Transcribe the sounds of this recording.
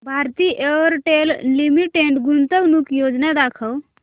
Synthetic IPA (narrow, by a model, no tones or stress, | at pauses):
bʱaɾt̪iʔeɾʈellimiʈeɳʈɡunt̪əwnukjod͡ʒnad̪akʰəw